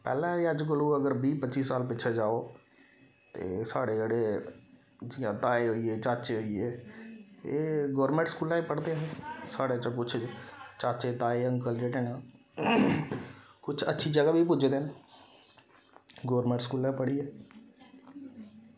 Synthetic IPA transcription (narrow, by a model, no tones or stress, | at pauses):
pɛ̰ːlɛ̃ːəd͡ʒk̬əluːəɡəɾbiːpətːt͡ʃːiːsaːlpɪt͡ʃʰeːd͡ʒaːoː | t̪ḛːsaːɽeːəɽeː | d͡ʒãt̪aːeːɦoieːt͡ʃaːt͡ʃeːɦoieː | eːɡɔːɾmẽːɳʈskuːlãːipəɽd̪ẽsaːɽet͡ʃə̃kʊt͡ʃʰt͡ʃaːt͡ʃeːt̪aːeə̃ŋkəld͡ʒeʈenãː | kʊt͡ʃʰətːʃʰiːd͡ʒəɡaːbʱiːp̬ʊd͡ʒd̪en | ɡoːɾmẽːɳʈskuːlãpəɽiːɛː